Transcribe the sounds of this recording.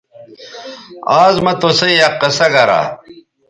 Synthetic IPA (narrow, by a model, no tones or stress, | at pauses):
aːzmɐt̪osɐjjɐqːɐsɐɡɐɾa̰